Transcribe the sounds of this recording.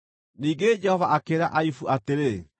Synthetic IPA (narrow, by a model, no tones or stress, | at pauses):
niːŋɡed͡ʑɛhɔvaʔakeːɾaʔaifuʔateɾe